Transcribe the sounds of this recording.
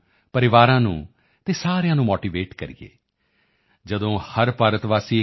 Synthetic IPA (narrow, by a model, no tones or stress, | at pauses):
pəɾɪʋaːɾãːnṵ̃ː | t̪eːsaːɾejãːnũːmoːʈiːʋeːʈkəɾḭɡḛː | d͡ʒəd̪õːhəɾpaːɾət̪ʋaːsiː